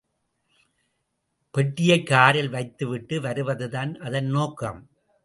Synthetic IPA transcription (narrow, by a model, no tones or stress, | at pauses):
pɛʈːɪjɐɪkːaːɾɪlʋɐɪt̪ːɯʋɪʈːɯʋɐɾɯʋɐðɯðaːnʔɐðɐnnoːkːɐ̰m